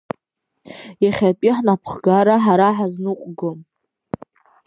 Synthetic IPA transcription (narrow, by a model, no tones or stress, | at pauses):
jaχʲapʼiħnapʰχɡaɾaħaɾaħaznuqʷʼɡɨm